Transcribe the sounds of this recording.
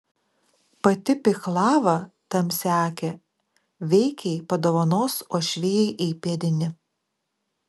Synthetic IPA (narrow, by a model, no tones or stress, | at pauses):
pɐt̪ʲɪpʲɪxlˠɑːʋɐt̪ɐmsʲæːkʲɛ | ʋʲɛɪkʲɛɪpɐd̪oːʋɐnoːsoːʃʲʋʲeːjɛɪʔɛɪpʲiɛd̪ʲɪnʲɪ